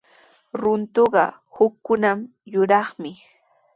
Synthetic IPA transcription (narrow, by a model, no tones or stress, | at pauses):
ɾʊnt̪oɢɑ | hʊkːʊnam | jʊɾɑχmɪ